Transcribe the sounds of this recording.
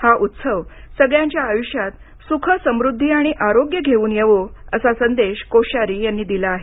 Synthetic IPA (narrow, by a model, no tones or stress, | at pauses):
haʔut̪səʋsəɡɭjãɲt͡ɕjaːjuɕjat̪ | sukʰəsəmɾud̪ʱːiːaɽ̃iʔaɾoɡjəɡʱeuːnjeʋoəsasənd̪eɕkoɕaɾiːjanːiːd̪ilaːɦe